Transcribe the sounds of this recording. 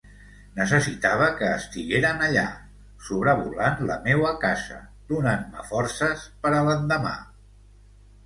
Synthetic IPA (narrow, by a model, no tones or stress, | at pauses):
nəs̬əsit̪aβ̞əkəːst̪iɣeɾənəʎa | suβɾəβulanləmewəkazə̰ðunanmə̰fɔrsəspəɾələnd̪əma̰